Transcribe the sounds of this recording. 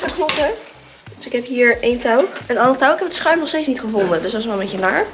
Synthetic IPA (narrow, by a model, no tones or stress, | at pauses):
əknɔtə | d̥øsɪkɦɛpɦiːɹentawɛnɑnətawɪkɛpətəsχrœɥmnɔχstejtsnitχəvʊndədøssʋɛlˠmejçənaːɹ